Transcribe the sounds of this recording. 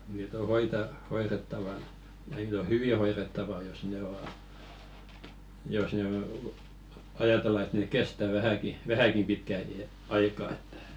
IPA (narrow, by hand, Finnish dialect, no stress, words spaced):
niːt o hoitɑ hoiretːɑʋɑnɑ niːt o hyʋi hoiretːɑʋɑ jos ne o jos neː ɑjɑtelːɑ et neˑk kestæ ʋæhæki ʋæhækim pitkæ iæ ɑikɑː e̥tːæ̥